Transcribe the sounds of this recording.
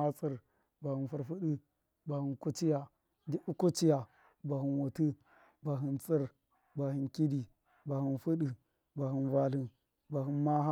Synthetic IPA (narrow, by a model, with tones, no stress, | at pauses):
a˦t͡si˦˨ɾ | ba˨hi˨nfu˨ɾfu˦ɗi˦ | ba˨hi˨nku˦t͡ʃi˦ja˨ | di˦ʔu˦ko˦t͡ʃi˦ja˨ | ba˨hi˨nwo˨ti˦ | ba˨ɦi˨nt͡si˦ɾ | ba˨hi˨nki˦di˨ | ba˨hi˨nfu˦ɗi˨ | ba˨hi˨nva˨li˨ | ba˨ɦi˨nma˦ɦa˦